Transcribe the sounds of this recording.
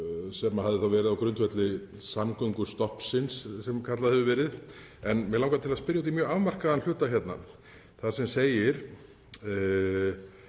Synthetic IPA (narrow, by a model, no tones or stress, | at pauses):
sɛmahaðɪθawvɛːɾɪðawkɾʏnt̪vɛt̪lɪ | samkʏŋkʏ̥st̪ɔhpsɪnsːɛmkʰat̪laðhɛvʏvɛːɾɪð | ɛnmɛlawŋkat̪ʰɪlaðspɪɾjahut̪imjœːɣavmar̥kaðanl̥ʏːt̪açjɛt̪na̰ | θḁsɛmseːjɪɾ̥